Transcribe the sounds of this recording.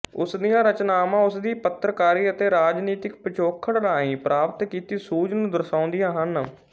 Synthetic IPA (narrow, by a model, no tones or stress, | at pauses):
ʊsd̪ɪjãːɾət͡ʃnaːmãːʊsd̪iːpət̪ɾəkaːɾiːət̪eːɾaːd͡ʒniːt̪ɪkpət͡ʃoːkʰəɽɽaːĩːpɾʔaːpət̪kiːt̪iːsuːd͡ʒnũːd̪əɾsãːʊ̃nd̪ɪjãːɦən